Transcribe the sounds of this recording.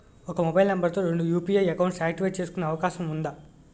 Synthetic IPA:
ɔkɐmubɐjlnɐmbɐɾt̪o̞ːɾeɳɖujuːpiːɐjɐkɐwɳʈsjaːkʈiʋeːʈ̚t͡ʃeːsu̥kunːɐːʋɐkaːʃɐmund̪a

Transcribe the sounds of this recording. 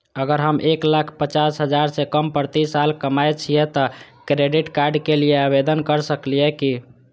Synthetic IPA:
əɡəɾɦəmʔeklakʰpət͡ʃasɦəd͡ʒaɾsekəmpəɾt̪isalkəmajt͡ʃʰijɛt̪ɔ | kɾeɖiʈkaɾɖkelijeabed̪ənkəɾsəklijɛki

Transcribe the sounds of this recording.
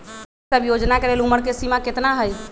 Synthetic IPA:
səbjod͡ʒnakeleluməɽkesimaket̪naɦəj

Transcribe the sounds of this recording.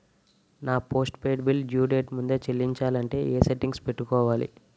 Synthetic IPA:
naːpo̞ːsʈpe̞ːɖbild͡ʒjuːɖeːʈmund̪eːt͡ʃelːiɲt͡ʃaːlɐɳʈe̞ːʔeːseʈːiŋɡspeʈːukɔːʋaːlḭ

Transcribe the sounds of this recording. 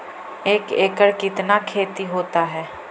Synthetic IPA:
eːkeːkəɾkɪt̪nakʰeːt̪iɦoːt̪aɦɛː

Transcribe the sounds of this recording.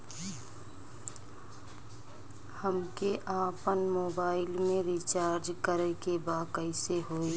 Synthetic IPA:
həmkeʔaːpənmoːbaːɪlmẽɾit͡ʃaːɾd͡ʒkəɾəkebaːkəɪseɦoːeː

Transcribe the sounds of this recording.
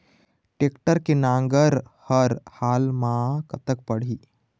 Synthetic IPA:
ʈekʈəɾkinaŋɡəɾhəɾhalmakət̪ək̚pəɽ̤iː

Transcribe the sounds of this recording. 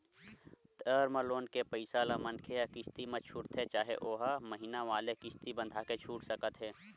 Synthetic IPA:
ʈəːɾməloːnkepəɪsaːlamɐnkʰejakɪst̪imɐ̃t͡ʃʰʊʈt̪ɦɛt͡ʃaːɦḛʔoːɦaməɦiːnaʋaːlekɪst̪ibə̃nd̪ʱaket͡ʃʰuːʈsəkət̪ɦɛː

